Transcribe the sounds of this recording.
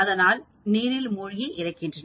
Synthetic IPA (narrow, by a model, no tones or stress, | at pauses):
ɐðɐnaːl | niːɾɪlmʊɻɪɣiʔɪɾɐɪkːɪndrɐn